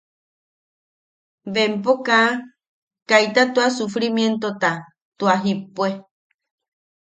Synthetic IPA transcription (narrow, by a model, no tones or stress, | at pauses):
βempokã | kajt̪at̪uasufɾimjent̪ot̪a | t̪uaɦipue